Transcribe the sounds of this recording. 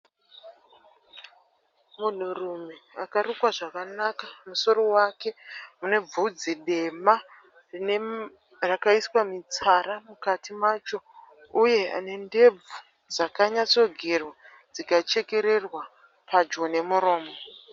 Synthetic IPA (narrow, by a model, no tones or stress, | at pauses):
mun̤urumeakarukwaʐakanakamuso̞ro̞wake̞mune̞b͡vud͡ziɗe̞ma | rine | rakaiswamit͡saɾamukatimat͡ʃo̞ | uje̞a̰ne̞nde̞b͡vu | d͡zakaɲat͡so̞ɡʱerwa | d͡zikat͡ʃe̞ke̞ɾe̞rwa | pad͡ʒone̞muɾo̞ːmo